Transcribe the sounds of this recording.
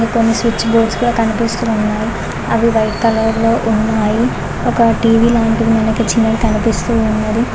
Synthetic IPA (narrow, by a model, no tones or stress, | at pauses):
konːisʋit͡ʃːboːʈskuːɽaːkɐnipist̪uːunːaːji | ɐʋiʋɐjʈkɐlɐɾlo̞ːʔunːaːji | ɔkɐʈiːʋiːlaːɳʈid̪imɐnɐkit͡ʃinːɐɽikɐnipist̪uːnːɐd̪i